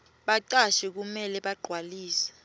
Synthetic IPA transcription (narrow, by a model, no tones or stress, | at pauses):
ɓaǀaʃɛk̬umɛlɛɓaɡ͡ǃʱwaliːsɛ̥